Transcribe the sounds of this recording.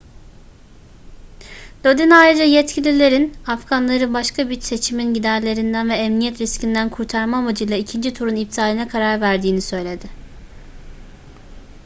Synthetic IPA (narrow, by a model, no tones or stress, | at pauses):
lod̪inajɾɯd͡ʒajɛt̪cʰilʲilʲe̞ɾinafɡanlˠaɾɯbaʃkʰabit͡ʃse̞t͡ʃʰiminɟid̪æɾlʲe̞ɾind̪ænvɛːmnijɛt̪ɾiscind̪ænkʰuɾt̪ʰaɾmamad͡ʒɯjlˠaicʰind͡ʒit̪ʰuɾunip̚t̪ʰaːlʲinɛkʰaɾaɾvæɾd̪iːnisø̞jlʲe̞d̪ɪ